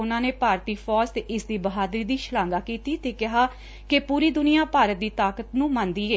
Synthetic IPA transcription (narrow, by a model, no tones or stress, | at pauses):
ʊnãːneːpaːɾt̪iːpʰɔːst̪eʔɪsd̪iːbəɦaːd̪ɾiːd̪iːʃəlãːŋɡaːkiːt̪iːt̪eːkɪɦaː | kepuːɾiːd̪ʊnɪijaːpaːɾət̪̚d̪iːt̪aːkət̪nũːmãnd̪iːeː